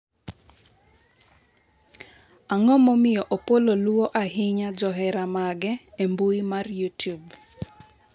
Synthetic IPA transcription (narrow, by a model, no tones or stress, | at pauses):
aŋɔmomɪjɔʔopololuwoʔaɦɪɲad͡ʒɔɦɛɾamaɡɛembuimarjutjub